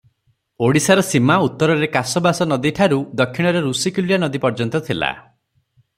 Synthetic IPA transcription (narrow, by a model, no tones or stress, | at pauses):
oɽisaɾɔsimaut̪ːɔɾɔɾekasɔbasɔnɔd̪iʈʰaɾud̪ɔkʰːiɽ̃ɔɾeɾusikuljanɔd̪ipɔɾd͡ʒɔnt̪ɔt̪ʰila̰